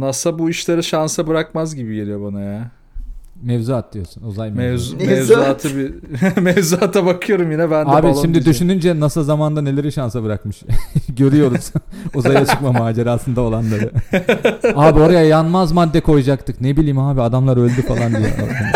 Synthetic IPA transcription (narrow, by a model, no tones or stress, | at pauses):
nasabuiʃlʲeɾɛʃansabɯɾakmazɟibijelijobanaja | mɛvzuat̪̚d̪ɯjo̞sunuzajmɛzmvzat̪ʰɯbimɛvzuat̪ʰabakʰɯjo̞ɾumjinɛbændaːbiʃimd̪id̪yʃynynd͡ʒɛnasɯlzamand̪ane̞lʲe̞ɾiʃansabɯɾakmɯʃɟø̞ɾyjo̞ɾuz̥uzajat͡ʃʰɯkmamaːd͡ʒeɾaːsɯnd̪ao̞lˠanlˠaɾɯ | aːbio̞ɾajajanmazmad̪ːɛkʰo̞jud͡ʒakt̪ʰɯknebilʲiːmaːbiad̪amlˠaɾø̞lʲd̪yfalˠand̪ijɛ̰ʔi